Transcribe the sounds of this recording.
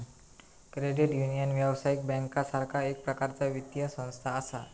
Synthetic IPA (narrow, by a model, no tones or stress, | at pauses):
kɾeɖiʈjunijənʋjaʋsaik̚bɛ̃ŋkasaɾkʰaek̚pɾəkaɾt͡saʋit̪jəsə̃w̃st̪ʰaːsa